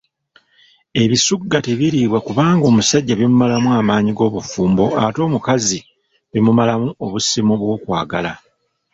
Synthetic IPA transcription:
e̞βisuɡːateβiɾiːβwakuβaːŋɡo̞ːmusaɟːaβimumalamuamaːɲiɡo̞ːβufuːmbo̞ato̞ːmukazi | βimumalamuoβusimuβwo̞ːkwa̰ːɡa̰la̰

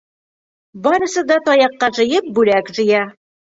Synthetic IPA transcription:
bɒɾɤ̆sɤd̪ɒt̪ɒjɑqːɑʒɤ̆jɤp̚bʉlækʒɘ̆jæ

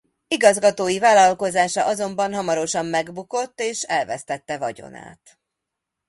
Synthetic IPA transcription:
iɡɒzɡɒt̪oːjivaːlɒlko̞zaːʃɒʔɒzo̞mbɒnɦɒmɒɾo̞ʃɒmːɛɡbuko̞t̪ːeːʃɛlvɛst̪ɛt̪ːɛvɒ̰ɟo̞̰na̰ːt̪

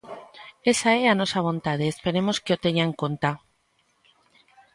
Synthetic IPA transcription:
e̞saeano̞saβ̞o̞nt̪aðeːspe̞ɾe̞mo̞skeo̞t̪eɲaŋkont̪a

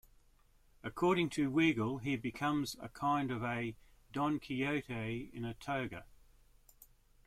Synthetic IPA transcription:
əkʰɔːɾɪ̃ŋtʰəwiɡəlˠibɨkʰʌ̃mzə̰kʰãɪ̃ndəvədɒ̃nkʰiəʊɾəɪ̰̃nətʰəʊɡə

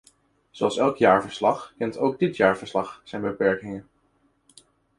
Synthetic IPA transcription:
zowɑlˠsɛlˠkjaːɹvəɹslɑχkɛntowɡ̚dɪtjaːɹvəɹslɑχz̥ɛjnbəpɛɹkɪŋən

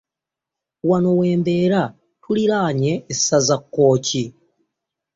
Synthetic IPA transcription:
wano̞we̞ːmbe̞ːɾa | tuliɾaːɲe̞ːsazakːo̞ːci

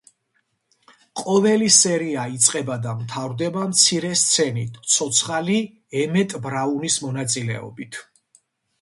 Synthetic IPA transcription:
qʼɔvɛlisɛɾiait̪sʼqʼɛbad̪avt̪ʰavɾd̪ɛbamt̪sʰiɾɛst̪sʰɛnit̪ʰsʰɔt̪sʰχali | ɛmɛt̪ʼbɾaunismɔnat̪sʼilɛ̰ɔ̰bit̪ʰ

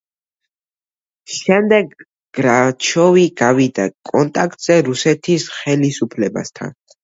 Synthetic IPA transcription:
ʃɛmd̪ɛɡ | ɡ̥ɾat͡ʃʰɔviɡavid̪akʼɔnt̪ʼak̚ʰʼt̪ʼz̥ɛɾusɛt̪ʰisχɛlisupʰlɛba̰st̪ʰa̰n

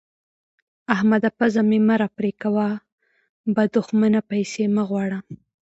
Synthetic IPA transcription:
ahmad̪apazamemaɾapɾekawa | bad̪ʊxmanapajsemaɣwɑɽa

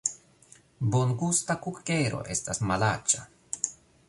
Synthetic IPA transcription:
boŋɡust̪akukeɾo̞̰ʔe̞st̪asmalat͡ʃa

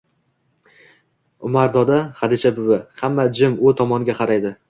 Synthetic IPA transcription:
ʊmaɾd̪ɒd̪ahad̪ɪʃʰabʊwɪhamːad͡ʒɪmʊt̪ʰɒmɒnɡʲaqʰɑɾajd̪ɪ

